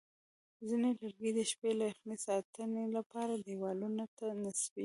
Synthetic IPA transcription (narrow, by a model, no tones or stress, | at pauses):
zinelaɾɡid̪əʃpelaaxnesɑt̪ənelapɑɾad̪ewɑlunat̪anaswi